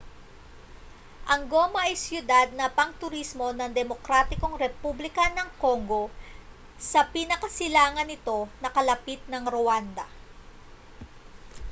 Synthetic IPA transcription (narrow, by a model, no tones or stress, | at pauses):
ʔɐŋɡo̞ːmɐʔɐjsjʊd̪ad̪̚nɐpɐŋt̪ʊɾismo̞nɐŋd̪ɛmo̞kɾaːt̪ɪko̞ŋɾɛpublɪkɐnɐŋko̞ŋɡo̞ | sɐpinɐkɐsɪlaːŋɐnɪt̪o̞nɐkɐlɐpit̪̚nɐŋɾowand̪ɐ̰